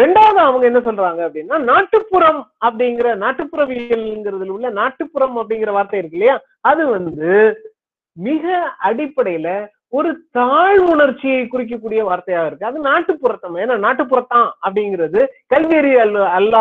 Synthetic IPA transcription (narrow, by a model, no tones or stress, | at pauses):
ɾɛɳɖaːʋɐðãɐʋɐŋɡɐɛnːɐsɔlːɾaːŋɡɐɐpːɐɽɪnːaːnaːʈːɯpːɯɾɐmɐpːɐɽɪŋɡɪɾɐnaːʈːɯpːɯɾɐʋɪɐlnɡɪɾɐðɪlɯlːɐnaːʈːɯpːɯɾɐmɐpːɐɽɪŋɡɪɾɐʋaːɾt̪ɐjɪɾɯkːɐlːɐjaː | ɐðɯʋɐnd̪ɯ | mɪɣɐɐɽɪpːɐɽɐjlɐ | ɔɾɯt̪aːɻmʊɳɐɾt͡ʃːɪjɐɪkʊɾɪk̬ːɐkːuːɽɪjɐʋaːɾt̪ɐjaːɣɐɪɾɯkːɯɐðɯnaːʈːɯpːʊɾɐt̪ːɐmːɐeːnːaːnaːʈːɯpːɯɾɐt̪ːãːɐpːɐɽɪŋɡɪɾɐðɯkɐlʋiɾɪɭɯɐlːaː